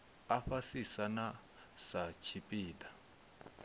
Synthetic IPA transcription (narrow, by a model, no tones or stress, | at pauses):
aɸasisana | sat͡ʃʰipʼiːda